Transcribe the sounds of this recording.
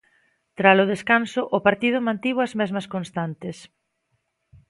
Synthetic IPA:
t̪ɾalʊð̞eskansʊʔʊpaɾt̪ið̞ʊmãnt̪iβʊɐzmɛzmɐskonst̪ant̪ɪs

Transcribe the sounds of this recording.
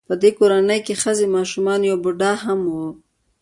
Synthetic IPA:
pəd̪ekoɾanəjkexəzemɑʃumɑnjawbʊɖɑɦamwu

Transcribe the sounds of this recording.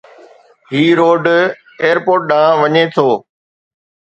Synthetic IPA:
ɦiːɾoːɖ | eːjəɾpoːɾʈ̚ɗãːʋɐɲet̪ʰoː

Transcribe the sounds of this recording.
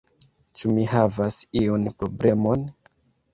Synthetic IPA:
t͡ʃumihavasionpɾo̞ble̞mo̞n

